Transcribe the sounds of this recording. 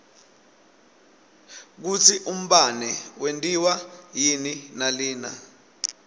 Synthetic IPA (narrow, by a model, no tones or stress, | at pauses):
k̬ut͡sʰiʔum̩ɓanɛwentʼiwajininaliːna̰